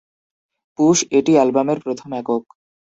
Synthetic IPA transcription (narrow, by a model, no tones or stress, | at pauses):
puʃeʈialbameɾpɾot̪ʰomɛkok